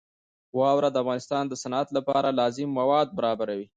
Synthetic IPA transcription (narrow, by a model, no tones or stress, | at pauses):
wɑwɾad̪əafɣɑnɪst̪ɑnd̪əsanat̪lapɑɾalɑzɪmːawɑd̪̚baɾɑbaɾawi